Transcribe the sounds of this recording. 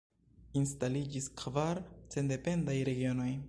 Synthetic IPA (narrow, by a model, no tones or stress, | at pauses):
instalid͡ʒiskʰvaɾt͡se̞nde̞pe̞ndajɾe̞ɡio̞no̞j